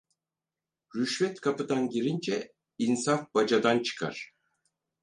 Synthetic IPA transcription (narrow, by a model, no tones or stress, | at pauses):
ɾyʃvɛt̪kʰapɯd̪anɟiɾind͡ʒɛ | insafbad͡ʒad̪ant͡ʃʰɯ̥kʰa̰ɾ̥